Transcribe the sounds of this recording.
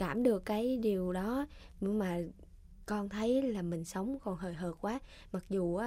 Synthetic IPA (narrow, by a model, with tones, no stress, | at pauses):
kaː˧˩mɗɨ˨˩əkːaː˨˦jɗi˨˩əwɗɔ˨˦˨maː˨˩ | kɔ˧nt̪ʰə˨˦jlaː˨˩mï˨˩ŋ̟sə˨˦wŋ͡mkɔ˨˩nɦəː˨˩jɦəː˨˩t̚kwaː˨˦ | ma˨˩k̚zu˨˩ʔaː˨˦